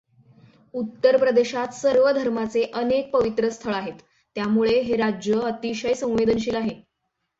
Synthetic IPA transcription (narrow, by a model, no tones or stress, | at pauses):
ut̪ːəɾpɾəd̪eɕat̪səɾʋəd̪ʱəɾmat͡seʔənek̚pəʋit̪ɾəst̪ʰəɭaɦet̪ː | jamuɭeɦeɾad͡ʑjəət̪iɕəjsə̃w̃ʋed̪ənɕiːlaɦe